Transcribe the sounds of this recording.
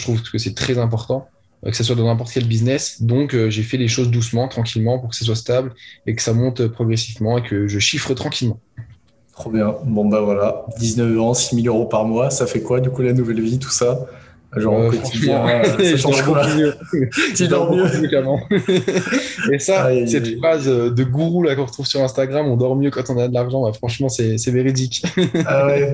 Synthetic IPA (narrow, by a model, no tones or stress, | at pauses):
ət̪χuvkəsɛt̪χɛzɛ̃p̬ɔʁt̪ɑ̰̃ | kə̥sas̬wad̪ɑ̃nɛ̃p̬ɔʁt̪əkʲɛlbiznɛsd̪ɔ̃køʒefɛleʃozd̪us̬mɑ̃t̪χɑ̃kʲilmɑ̃puʁkə̥sas̬wast̪ablekə̥samɔ̃t̪øpχɔɡʁesivmɑ̃ekəʒəʃifχət̪χɑ̃kʲilmɑ̃ | t̪χobjɛ̃bɔ̃bavwalad̪iznəfɛ̃similøʁopaʁmwasafɛkwad̪ykulanuvɛlvit̪u̥sa | ʒɑ̃ʁkʁɑ̃ʃmɑ̃ʒd̪ɔʁɔmjø | id̪ɔʁmjøikamɑ̃ | esasɛt̪fχazød̪əɡuʁulakɔ̃ʁət̪χuvsyʁɛ̃st̪aɡʁamɔ̃d̪ɔʁmjøkɑ̃t̪ɔ̃nad̪əlaʁʒɑ̃bafχɑ̃ʃmɑ̃sɛsɛveʁid̪ikawɛ